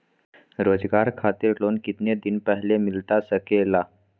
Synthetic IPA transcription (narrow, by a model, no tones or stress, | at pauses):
ɾoːd͡zɡaɾkʰat̪iɾloːnkit̪ned̪inpəɦlemɪlt̪asəkela